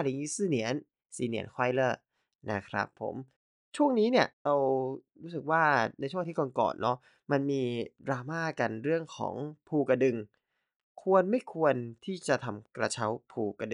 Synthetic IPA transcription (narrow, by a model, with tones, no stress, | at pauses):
a˥˩li˨˦ŋiː˦˥sɯː˥˩ni˩˦ən | si˨˩ni˨˩˦ənkʰwaː˧˩jlɤː˥˩ | na̰˦˥˩kʰɾa̰˦˥pʰːo̰˨˩˦m | t͡ɕʰu˥˩əŋniː˦˥ni˥˩ɐɾa˧wɾuː˦˥sɯ˨˩k̚waː˥˩na˧jt͡ɕʰu˥˩˨ŋt̪ʰiː˥˩kɔ˧nkɔ̰ː˨˩nːʔɔ˦˥ | ma˧nmiː˧dɾaː˧maː˥˩ka˧nɾɯ˥˩əŋkʰɔ̰ː˩˦ŋpʰuː˧ka˧dɯ˨˧ŋ | kʰu˧ənma˥˩jkʰu˧ənt̪ʰiː˥˩t͡ɕa˨˩t̪ʰa˧mkɾa˧t͡ɕʰa˦˥wpʰuː˧ka˧dɯ˨